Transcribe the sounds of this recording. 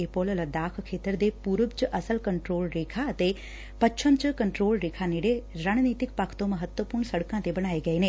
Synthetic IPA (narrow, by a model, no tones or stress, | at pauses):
eːpoːlələd̪aːkʰkʰːeːt̪əɾd̪eːpuːɾəbt͡ʃəʔəsəlkəɳʈɾoːlɾeːkʰaət̪e | pət͡ʃʰəmt͡ʃəkəɳʈɾoːlɾeːkʰaːneːɽeɾaːnniːt̪ɪkpakʰt̪õməɦət̪wəpʊɾɳ̃səɽkãːt̪ebɐɽ̃aːeɡəeːneː